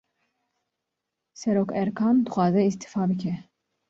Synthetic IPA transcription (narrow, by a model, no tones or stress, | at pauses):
sɛɾoːkɛɾkʰɑːmd̪ɨxʷɑːzɛist̪i̥fɑːbɨkʲʰɛ